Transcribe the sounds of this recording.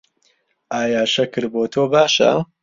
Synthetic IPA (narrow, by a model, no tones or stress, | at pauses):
ʔaːjaːʃɐkɨɾboːt̪ʰoːbaːʃɐ̰